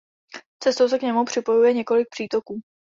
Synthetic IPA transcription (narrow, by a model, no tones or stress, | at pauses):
t͡sɛst̪o̞wsɛkɲɛmupr̝̥ɪpo̞jujɛɲɛko̞lɪk̚pr̥iːt̪o̞kuː